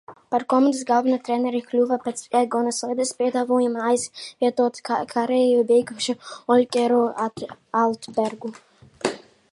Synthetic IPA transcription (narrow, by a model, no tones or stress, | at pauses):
paɾkɔmand̪ɨsɡalˠbʲɛnat̪ɾɛnʲɛɾiklʲuvapɛt̪sɛɡɔnasˠɛjd̪ɨspʲiɛd̪avɔːjamajsvʲiɛt̪uɔt̪kkʰaɾejubʲejɡuʃuɔlʲkʲɛɾo | alt̪bɛɾɡu